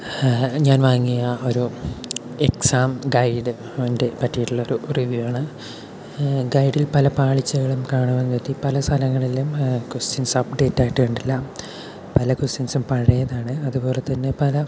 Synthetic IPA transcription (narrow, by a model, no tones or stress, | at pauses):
ɲaːnʋaːŋːijɐo̞ɾu | eksaːmɡɐjɖɨ | ɐɐnde̞pɐtːijiʈːuɭːɐo̞ɾuriʋjiʋaːɳɨ | ɡɐjɖilpɐlɐpaːɭit͡ɕːɐɣɐɭumkaːɳume̞nːuʋet̪ːipɐlɐst̪ʰɐlɐŋːɐɭelːumkustinsɐpɖe̞ːtːaːjiʈːɨkoɳɖilːɐ | pɐlɐkusinsumpɐɻɐjɐðaːɳɨɐðupo̞ːle̞t̪ːɐnːe̞pɐlɐ